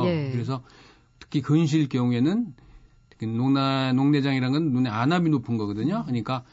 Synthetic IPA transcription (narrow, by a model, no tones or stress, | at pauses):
kɯɾe̞s̬ʰʌ | tʰɯ̥kʰikɯnɕ̬ʰiɭkjʌŋue̞nɯn | kɯnonanoŋne̞d͡ʑaŋiɾanɡʌnnːuneanabinopʰɯnɡʌɡɯdɯɲokɯɲik͈a